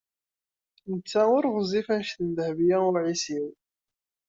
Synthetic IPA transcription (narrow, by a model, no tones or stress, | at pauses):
nət͡sːæʊɾʁzˤifænʃθənd̪hvjæʊɾʕisiw